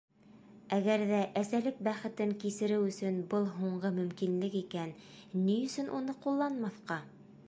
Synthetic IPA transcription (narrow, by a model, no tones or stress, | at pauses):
æɡæɾðæʔæsælɘk̚bæχɘ̆t̪ɘŋkisɘ̆ɾɘwɵ̆sɵnbɤlˠɦuɴɢɤmɵ̆mkinlɘkikænːijɵ̆sɵnʔunɤqulˠːɑnmɑθqɑ